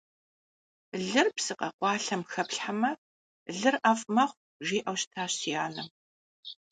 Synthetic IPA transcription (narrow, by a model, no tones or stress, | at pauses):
ɮɨrpsɨqɐ̰qʷɑːɬɐmxɐpɬħamɐ | ɮɨrʔɐfʼmɐχʷ | ʒiːʔɐwɕtʰaːɕijaːnɨm